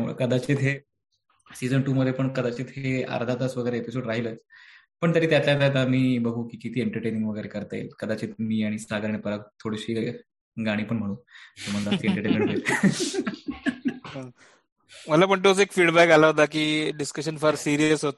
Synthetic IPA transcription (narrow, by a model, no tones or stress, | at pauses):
kəd̪at͡ɕeːt̪ɦe | sid͡zəɳʈuːməd̪ʱːjepəɳkəd̪at͡ɕiːt̪ɦea̰ɾd̪ʱat̪asʋəɡəjɾeepisoɽɾaɦilət͡s | pəɳt̪əɾiːt̪jat̪ljaat̪am̤iːbəɡʱuːkiːkit̪ʰiːeɳʈəɾʈemeɳʈʋəɡəjɾekəɾt̪aḭlkəd̪at͡ɕiːt̪̚miːaɽ̃isaɡəɾnepəɾak̚t̪ʰoɽiɕiː | ɡaɽ̃iːpəɳm̤əɽ̃uːt̪um̤ald̪at̪iːeɳʈəɾʈemẽɳʈɦoel | ɦə̃ | məlapəɳʈ̪̬ut͡sekfiːɽbækalaɦot̪akiːɖiskəɕənfəɾsiɾijəsɦot̪̚